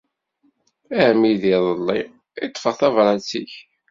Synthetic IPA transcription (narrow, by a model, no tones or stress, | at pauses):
æhmiðiðˤəlːi | ɪt̪ˤːfəʁθɑvɾˤɑt͡sːiç